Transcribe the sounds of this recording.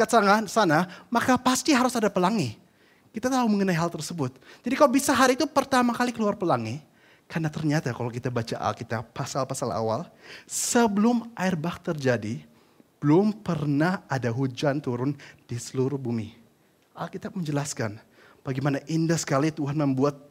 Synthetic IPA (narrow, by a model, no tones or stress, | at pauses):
at̪saŋasanamakapast̪iɦaɾʊsadapəlaŋi | kit̪at̪auməŋənaiɦalt̪ərsəbʊt̪̚d͡ʒadikalobisaɦaɾːt̪upərt̪amakalikəluarpəlaŋi | karnat̪ərɲat̪akalawkit̪abat͡ʃaʔa̰lkit̪apːasalpasala̰wa̰lsəbəlʊmʔaɪrbak̚t̪ərd͡ʒadi | b̥əlʊmpərnahadaɦud͡ʒant̪uɾʊnd̥isəluɾʊhbumi | ʔalkit̪ap̚məɲd͡ʒəlaskan | b̥aɡimanaʔindahsə̥kalit̪uɦanməmbuat̪̚